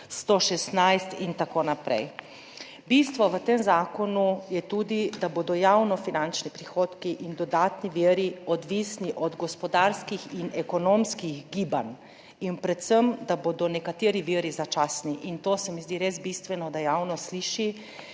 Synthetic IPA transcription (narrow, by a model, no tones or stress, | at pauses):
st̪oʃɛst̪najst̪int̪akoːnapɾɛ̰j | bist̪ʋɔʋət̪emzaːkɔnujɛt̪uːd̪id̪abod̪ɔjawnɔfinant͡ʃnipɾixoːt̪kiʔind̪ɔd̪aːt̪niʋiːɾiɔd̪ʋisniʔɔd̪ɡɔspɔd̪aɾskixinɛkɔnomskiɣɡiːban | inpɾɛt̪səmd̪abod̪ɔnɛkat̪eːɾiʋiːɾizat͡ʃaːsniʔint̪oːsɛmizd̪iɾezbist̪ʋɛnɔd̪ajawnɔsliːʃi